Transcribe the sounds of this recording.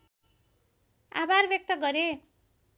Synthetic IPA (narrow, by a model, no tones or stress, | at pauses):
a̰barbjʌk̚t̪ʌɡʌɾe